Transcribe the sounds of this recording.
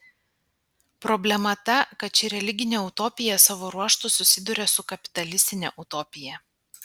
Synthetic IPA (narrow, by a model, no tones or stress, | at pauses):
pɾɔbʲlʲɛmɐt̪ɐkɐt̪t͡ʃʲɪɾʲɛlʲɪɡʲɪnʲeʊt̪ɔːpʲɪjɛsɑːʋoːɾuɔʃt̪ʊsʊsʲɪd̪ʊɾʲɛsʊkɐpʲɪ̥t̪ɐlʲɪsʲt̪ʲɪnʲɛ̰ʔʊt̪ɔːpʲɪjɛ